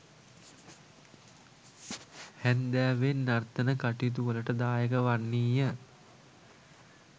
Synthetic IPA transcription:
hænd̪æːʋenːart̪ənəkaʈit̪̬uʋələʈəd̪aːjəkəʋanːiːjə

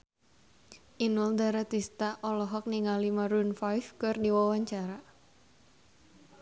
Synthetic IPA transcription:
ʔinʊld̪aɾat̪ist̪aʔɔlɔɦɔk̚niŋalimaɾunfajfkɨrdiwawaɲt͡ʃaɾa

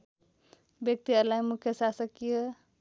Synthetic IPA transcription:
bjək̚t̪iəlajmukʰjəsasəkije

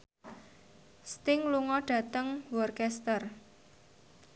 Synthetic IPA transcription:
st̪ɪŋluŋɔɖ̥ä̤t̪əŋwɔrkɛst̪ər

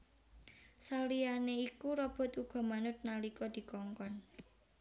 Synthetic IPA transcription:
salijaneikuɾɔb̥ɔ̤t̪uɡ̥ɔ̤manʊt̪̚nalikɔd̪̥i̤kɔŋkɔn

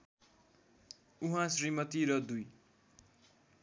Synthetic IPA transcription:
uɦãsrimʌt̪iɾʌd̪uj

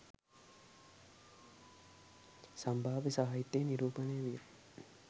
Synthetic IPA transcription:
sɐmbʱaːʋisɐɦaːjit̪ːeːniɾuːpɐneːʋij

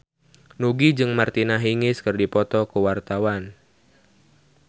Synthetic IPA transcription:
nuɡid͡ʒɨŋmart̪inaɦiŋɪskɨrdipɔt̪ɔkuwart̪awan

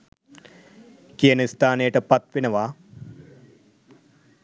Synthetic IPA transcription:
kijənist̪aːnejəʈəpɐt̪ʋenɐʋaː

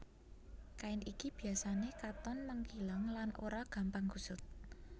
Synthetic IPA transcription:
kaɪnikib̥i̤asanekat̪ɔnməŋkilaŋlanʔoɾaɡ̥a̤mpaŋkusʊt̪̚

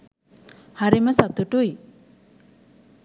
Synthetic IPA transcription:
haɾiməsat̪uʈuj

